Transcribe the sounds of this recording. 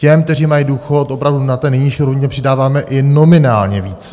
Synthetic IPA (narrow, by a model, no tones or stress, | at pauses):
cɛmk̚t̪ɛriːmajiduːxo̞t̪ʔopɾavdunat̪ɛːnɛjɲɪʃiɾɦoɲɛpr̥ɪdaːvaːmɛʔɪno̞mɪnaːlɲɛviːt͡sɛ